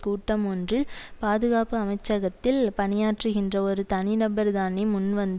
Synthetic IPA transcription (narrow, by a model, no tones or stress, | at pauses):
kuːʈːɐmɔndrɯpaːðɯɣaːpɯɐmɐɪt͡ʃːɐɣɐt̪ːɪlpɐnɪjaːʈrɯɣɪndrɐɔɾɯt̪ɐnɪnɐbɐɾðaːnimʊnʋɐnd̪